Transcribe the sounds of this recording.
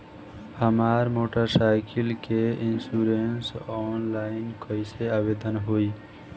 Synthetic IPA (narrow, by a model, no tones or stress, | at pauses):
həmaːɾmoːʈəɾsaɪkʰilkeinsuɾensɔːnlaɪnkəjseabed̪ənɦoi